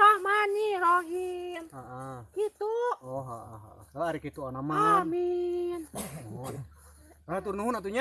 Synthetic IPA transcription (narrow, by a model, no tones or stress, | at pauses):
sahmaniɾoɦinaʔakit̪uɔɦa̰ʔaɦa̰ʔsaaaɾikit̪uanamaamin | at̪urnuɦunat̪uɲa